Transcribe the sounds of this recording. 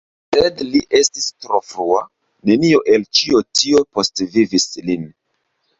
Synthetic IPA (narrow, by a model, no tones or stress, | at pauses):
sedliʔe̞stistɾo̞fɾua | ne̞nio̞ʔe̞lt͡ʃio̞tio̞po̞stvivislin